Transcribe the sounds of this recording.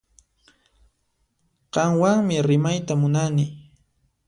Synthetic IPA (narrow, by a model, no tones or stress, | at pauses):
qɑŋwaŋmɪɾɪmajt̪amʊnanɪ